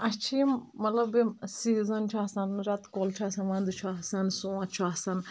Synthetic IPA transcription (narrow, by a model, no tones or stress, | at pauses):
ɐt͡ʃʰimːɐlɐbimsizɐnt͡ʃʰaːsɐnɾɐt̪kolt͡ʃʰaːsɐnʋãnd̪ut͡ʃʰaɦsɐnsũːɐ̃t͡ʃʰasɐn